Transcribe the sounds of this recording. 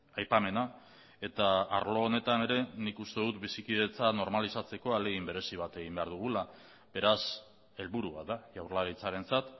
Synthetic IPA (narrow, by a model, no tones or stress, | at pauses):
ajpame̞na | e̞t̪aaɾlo̞ːne̞t̪ane̞ɾe̞nikust̪e̞ðut̪bisikiðe̞t͡sano̞ɾmalisat͡se̞ko̞ale̞ɣimbe̞ɾe̞siβat̪e̞ɣimbe̞aɾðuɣ̞ula | be̞ɾas | e̞lβuɾuβaðaʝawɾlaɾit͡saɾe̞nt͡sat̪